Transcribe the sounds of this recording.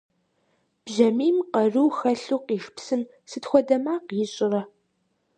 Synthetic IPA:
b̥ʒɐmiːmqɐrɨwxɐɬuːqiːʃpsɨm | sɨtxʷɔdɐmaːqjɪɕʼɪrɐ

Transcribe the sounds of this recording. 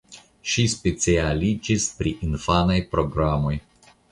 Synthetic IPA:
ʃispet͡sialid͡ʒispɾiʔinfanajpɾo̞ɡɾamo̞j

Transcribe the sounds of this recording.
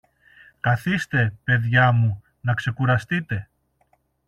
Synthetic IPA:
kɐθist̪e̞pe̞ðʝɐmu | nɐkse̞kuɾɐst̪it̪e̞

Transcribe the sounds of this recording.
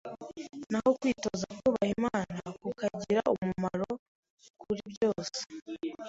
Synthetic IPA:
naho̞kwiːtozakuβahimaːnakukaɟiɾaumumaɾo | kʰuɾiβjo̞ːse̥

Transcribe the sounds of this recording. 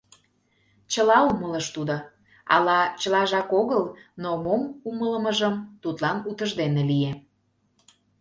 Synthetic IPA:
t͡ɕəlɑumələʃt̪ud̪o | ɑ̰lɑt͡ɕəlɑʒɑkoɣəlnomomumələmə̆ʒəmt̪ut̪lɑnut̪əʒd̪enelie

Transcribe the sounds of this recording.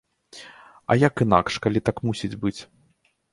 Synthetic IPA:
ɐ̰jakɨna̰kʂkalʲit̪akmusʲid͡zʲbɨt͡sʲ

